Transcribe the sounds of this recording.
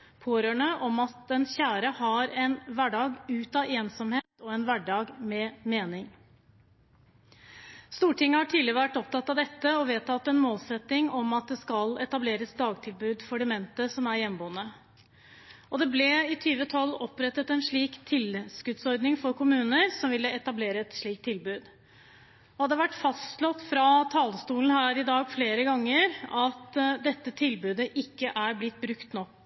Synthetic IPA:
pʰoːɾøːɳəʔɔmɑt̪̚d̪ɛnçæːɾəhɑɾɛnʋæɖɑːɡʉːt̪ɑʔeːnsɔmheːt̪ɔɛnʋæɖɑːɡmɛmeːnɪŋ | st̪uːʈʰɪŋːəhɑʈʰiːd̪lɪɾəʋæʈːɔp̚t̪ʰɑt̪ːɑʋd̪ɛt̪ːəɔʋeːt̪ʰːɑt̪ːɛnmoːlsɛt̪nɪŋɔmɑt̪̚d̪ɛskɑlɛt̪ɑbleːɾəsd̪ɑːɡ̚t̪ʰɪlbʉːd̪fɔɖɪmɛnt̪əsɔmæɾjɛnboːənə | ɔd̪ɛblɛɪt̪ʰyːʋət̪ʰɔlːɔpɾɛt̪ːət̪ɛnʂɭiːkt̪ʰɪlskʉt̪sɔɾd̪nɪŋfɔɾkʊmʉːnəɾsɔmʋɪlːəɛt̪ɑbleːɾəɛt̪ʂɭiːk̚t̪ʰːɪlbʉːd̪ | ɔhɑd̪əʋæʈːfɑst̪lɔt̪ːfɾɑt̪ʰɑləst̪uːln̩hæːɾɪd̪ɑːɡfleːɾəɡɑŋːəɾɑt̪d̪ɛt̪ːət̪ʰɪlbʉːd̪əʔɪkːəʔæɾblɪt̪̚ːbɾʉkt̪nɔkː

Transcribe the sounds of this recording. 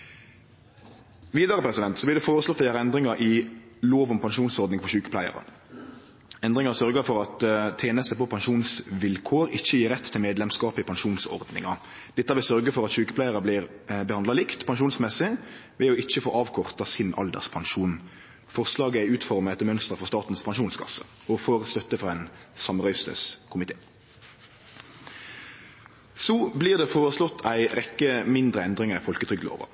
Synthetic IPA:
ʋiːd̪ɑʁəpʰɾɛsɪd̪ɛnt̪sɔblɪːd̪ɛfoːɾəslɔt̪ːææːʁɛnd̪ɾɪŋɑʔɪloːʋʊmpʰɑnʃuːnsɔʁd̪nɪŋpʰɔɕʉːkə̥plæɪə̰ʁə̰ | ɛnd̪ɾɪŋɑsœʁɡəfɔɾɑt̪t̪ʰːeːnəst̪əpɔpʰɑnʃuːnsʋɪlkʰoːɾɪçːəjiːɾɛt̪ːʰɪlmeːd̪lɛmskɑːpɪpɑnʃuːnsɔ̰ʁd̪nɪ̰ŋɑ | d̪̥ɛt̪ːɑʋɪlsœɾɡəfɔɾɑt̪ɕʉːkəpʰlæɪəɾəblɪʁbəhɑnd̪lɑlɪkt̪pʰɑnʃuːnsmɛsɪʋɛɔɪt͡ʃːəfo̰ːʔɑːʋkʰɔʁt̪ɑsɪnɑ̰ld̪ə̰ʁspʰɑnʃuːn | fɔʁslɑːɡəæɪʉːt̪fɔʁməɛt̪əmœnst̪əʁəfɔʁst̪ɑːt̪n̩spʰɑnʃuːnskʰɑ̰sə | ɔfoːʁst̪œt̪ːəfʁɑɛːnsɑmʁœʏst̪ə̰skʰʊmɪt̪ʰeː | sɔbliːʁd̪ɛfoːʁəslɔt̪ʰːæɪʁɛkːəmɪnd̪ʁəɛnd̪ʁɪŋɑfɔlkət̪ʰʁʏɡlo̰ːʋə̰

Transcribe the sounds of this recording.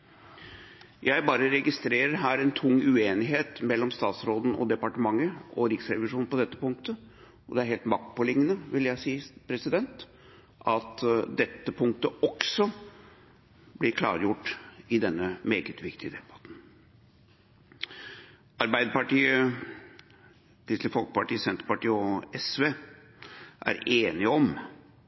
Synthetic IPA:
jæɪbɑːɾəɾɛɡɪst̪ɾeːɾəɾɦæːɾɛnt̪ʰʊŋːʉeːnɪɦeːt̪mɛlːɔmst̪ɑːt̪sɾoːd̪n̩ɔ̰d̪ɛpɑʈəmɑŋːəʔɔɾɪksɾɛʋɪʂuːn̩pɔd̪ɛt̪ːəpʊŋkt̪ə | ɔd̪ɛæɾɦeːlt̪mɑk̚t̪̚pɔlɪŋːənəʋɪljæɪsiːpʰɾɛsɪd̪ɛnt̪ | ʔɑt̪d̪ɛt̪ːəpʰʊŋk̚t̪əɔksɔ | blɪɾkʰlɑ̰ːɾjʊʈːɪd̪ɛnːəmeːɡət̪ʰʋɪkt̪ʰɪd̪ɛbɑt̪n̩ | ɑɾbæɪd̪əpɑʈiːə | t̪ʰɪːslɪfɔlkə̥pɑʈiːəsɛnt̪əɾpɑʈiːəɔɛsʋeː | ʔæ̰ɾeːnɪɔm

